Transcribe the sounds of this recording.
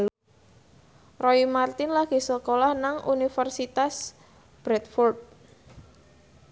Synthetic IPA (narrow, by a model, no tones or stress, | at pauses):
rɔimart̪ɪnlaɡ̥i̤səkolahnaŋʔunifərsit̪as | b̥ɾɛt̪̚fɔrd̪̚